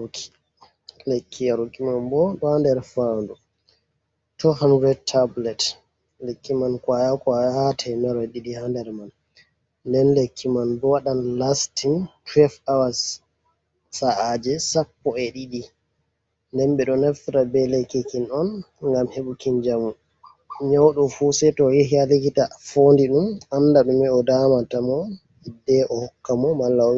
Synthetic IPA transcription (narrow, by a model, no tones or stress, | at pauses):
kʰi̥ | lekːijaɾukimanbɔɗɔhandɛɾfandu | tuhanɾɛd̚tʰːablɛt | lekːimankwajakajhatʰajnɛɾɔjɗiɗihandɛɾman | ndɛnlekʰːimanbɔwaɗanlastintwɛlfawas | saʔad͡ʒɛsapːɔɛɗiɗi | ndɛnɓɛɗɔnaftiɾabɛlekːikːinɔnŋɡamheɓukind͡ʒamu | ɲawɗɔfusɛtɔjeɦialikitafondiɗumandaɗumɛɔdamatamɔ | idɛʔɔhɔkːamɔmalːa